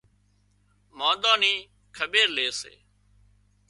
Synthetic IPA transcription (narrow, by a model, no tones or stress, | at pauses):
mãːd̪ãːnĩː | kʰəɓeːɾleːsḛː